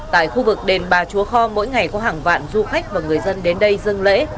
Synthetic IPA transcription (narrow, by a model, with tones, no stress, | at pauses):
t̪a̰ː˧˨jxu˧vɨ˨˩k̚ɗe˨˩nɓaː˨˩t͡ɕu˨˦əxɔ˧mo̰˧˥jŋa˨˩jkɔ˨˦ɦaː˨˩ŋva̰ː˧˨nzu˧xa˦˥jk̚vaː˨˩ŋɨ˨˩əjzə˧nɗe˨˦nɗə˧jzɨ˧ŋlḛ˧˥